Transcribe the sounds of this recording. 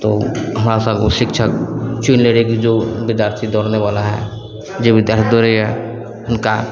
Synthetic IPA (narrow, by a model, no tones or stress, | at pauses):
t̪oɦəmɾasə̃boʃɪkt͡ʃʰəkt͡ʃunleɽikid͡ʒoːbɪd̪jaːɾt̪ʰid̪ɔːɾneʋalaɦɛ̰ | d͡ʒebɪd̪jaːɾt̪ʰid̪oɾəjɛ | ɦʊnka